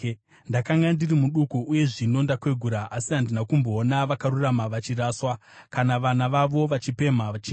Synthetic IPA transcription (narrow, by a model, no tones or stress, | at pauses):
ndakaŋɡandirimuɗukuuje̞ʐino̞ndakwe̞ɡʱuɾaʔːsiɦandinakumbo̞ːnaʋakaɾuramaʋat͡ʃiraːswa | kanaʋanaʋaʋo̞ʋat͡ʃipe̞mat͡ʃi